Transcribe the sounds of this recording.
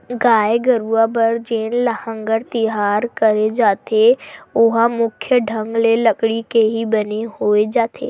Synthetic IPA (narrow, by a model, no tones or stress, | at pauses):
ɡaːeɡəɾuabəɾd͡ʒeːnləhə̃ŋɡəɾt̪ɪɦaːɾkəɾed͡ʒaːt̪eʊɦamʊkʰjəɖʱə̃ŋɡlelɐkɽikeɦibəneɦoːed͡ʒaːt̪ʰḛː